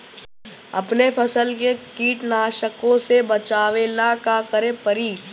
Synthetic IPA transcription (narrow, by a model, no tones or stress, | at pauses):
ɐ̰pnepʰɐsəlkekiːʈnaːʃəkõsebɐt͡ʃaːʋenakakəɾẽpəɾiː